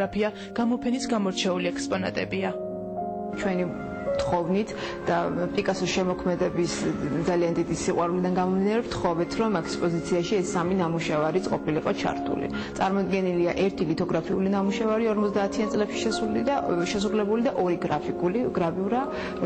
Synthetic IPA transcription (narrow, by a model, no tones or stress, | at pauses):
apʰia | ɡ̥amɔpʰɛnisɡamɔɾt͡ʃʰɛuliɛkspʼɔna̰t̪ʼɛbia | t͡ʃʰwɛni | t̪χɔvnit̪ʰ | d̪̥apʼikʼasɔʃɛmɔkʰmɛd̪ɛbisd̪zaliand̪id̪isiqʼwaɾulid̪anɡamɔmd̪inaɾɛpt̪χɔvɛt̪ʰɾɔmɛkʰspʼɔzit̪sʰiaʃiɛsːaminamuʃɛvaɾit̪sʼqʼɔpʰiliqʼɔt͡ʃʰa̰ɾt̪ʰṵlḭ | t̪sʼaɾmɔd̪ɡɛniliaʔɛɾt̪ʰilit̪ʰɔɡɾapʰiulinamuʃɛvaɾiɔɾmɔt̪zd̪aːt̪ʰiant̪sʼlɛpʃi̥ʃɛsulid̪aʃɛsɾulɛbulid̪aʔɔɾiɡɾapʰikʼuliɡɾabiuɾa